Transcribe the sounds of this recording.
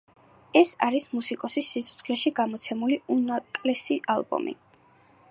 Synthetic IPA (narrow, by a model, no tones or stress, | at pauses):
ɛsa̰ɾismusikʼɔsisit̪sʰɔ̥t̪sʰχlɛʃiɡamɔt̪sʰɛmuliunatʼlɛsiʔalˠbɔ̰mḭ